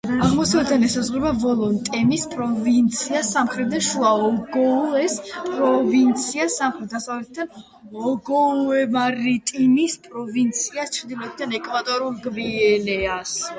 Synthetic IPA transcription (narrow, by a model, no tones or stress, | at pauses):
aʁmɔsavɛt̪d̪anɛsazʁɾɛbavɔlˠɔnt̪ʼɛmispʼɾɔvint̪sʰiasamχɾɛt̪̚ʰd̪aʃuaɔɡɔɛspʼɾɔvint̪sʰiasamχɾɛt̪̚d̪asavlɛt̪̚ʰd̪an | ɔɡɔɛmaɾit̪ʼinispʼɾɔvint̪sʰiast͡ʃʰɾd̪ilɔt̪̚ʰd̪anɛkʼvat̪ʼɔɾulˠɡviɛlɛas